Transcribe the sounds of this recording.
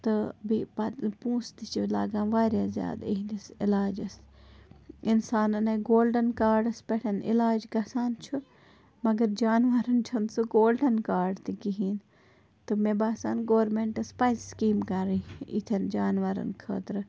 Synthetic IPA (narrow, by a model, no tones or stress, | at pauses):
t̪ɨbipɐpũːst̪it͡ʃʰila̰ːɡãːnʋaːɾjaːzja̰ːd̪iɦd̪isɪlaːd͡ʒɐs | insaːnɐnɐɡoːlɖɐnkaːɾɖɐspeʈʰɐnɪ̰laːd͡ʒɡɐsaːnt͡ʃʰu | mɐɡɐɾd͡ʒaːnʋɐɾɐnt͡ʃʰɐnsuɡoːlɖɐnkaːɾɖt̪ikiɦiːn | t̪ɨmebaːsa̰ːnɡoːɾmeɳʈɐspajzskiːmkɐɾiḭt̪ʰɐnd͡ʒaːnʋɐɾɐ̰nkʰə̰ːt̪ɾɨ